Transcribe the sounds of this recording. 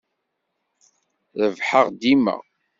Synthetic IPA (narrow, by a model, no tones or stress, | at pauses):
ðəvħəʁd̪imə̰ʁ